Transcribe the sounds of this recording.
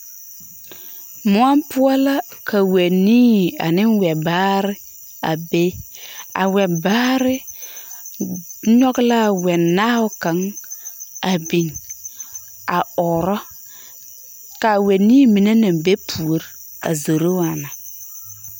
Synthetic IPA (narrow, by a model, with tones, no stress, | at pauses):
mʊ˨a˦mpʊ˦a˦la˦ka˨we˨niː˦˨a̰˨nɪ˦nwɛ˨baː˦ɾɪ˦ | a̰˨be˦a̰˨wɛ˨baː˦ɾɪ˦ | ɲɔ˦ɡla˦˨wɛ˨nːaː˦ʊ˦ka˨˦ŋ | a˨bi˨n | a˨ɔ˨ɾɔ˦ | ka˨wɛ˨niː˦mi˨ne˦na˨m˨be˦pʰu˨o˦ɾ | a̰˨zo˨ɾo˦a˨na˨